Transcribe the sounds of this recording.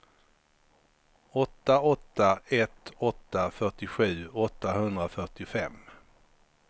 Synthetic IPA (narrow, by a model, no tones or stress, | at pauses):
ɔt̪ːaɔt̪ːaɛt̪ɔt̪ːafœʈɪɧʉ̟ːɔt̪ːaɦɵnd̪ɾafœʈɪfɛmː